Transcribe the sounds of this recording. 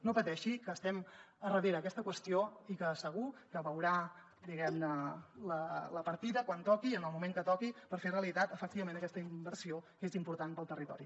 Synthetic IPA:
nopət̪ɛʃikəːst̪ɛm | ərəð̞eɾəːkɛst̪əkwəst̪ioikəsəɣ̞ukəβəwɾa | d̪iɣɛmnələləpəɾt̪iðəkwant̪ɔkiənəlˠmumeŋkət̪ɔkipəɾfereəlit̪at̪əfək̚t̪iβəmẽnəkɛst̪əimbəɾsiokezimpuɾt̪anpəlˠt̪ərit̪ɔ̰ɾi

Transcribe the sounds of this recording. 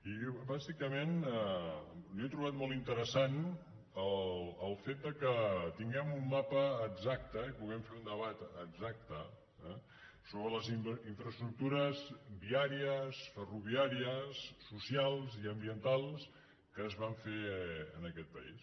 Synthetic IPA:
ibazikəmenɛliet̪ɾuβat̪mɔlˠt̪int̪əɾəsan | ələlˠfet̪̚d̪əkət̪iŋɡɛmumːapəːɡzak̚t̪əipuɣɛmfeund̪əβat̪əɡzak̚t̪ə | ɛ | soβɾələziiɱfɾəst̪ɾuk̚t̪uɾəzbiaɾiəsfəruβ̞iaɾiəsːusialˠziəmbiənt̪alˠs | kəːzβaɱfeə̰nəkɛt̪̚pə̰ḭs

